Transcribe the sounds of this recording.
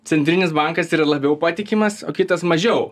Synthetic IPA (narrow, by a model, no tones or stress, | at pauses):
t̪sʲɛnʲt̪ʲɾʲɪnʲɪsbɑŋkɐsiːɾɐlˠɐbʲɛʊpɑːt̪ʲɪkʲɪmɐsoːkʲɪt̪ɐsmɐʒʲɛʊ